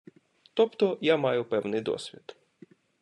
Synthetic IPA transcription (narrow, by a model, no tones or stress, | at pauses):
t̪ɔpt̪ɔjamɑjʊpɛwnɪjd̪ɔ̰sʲʋʲid̪̥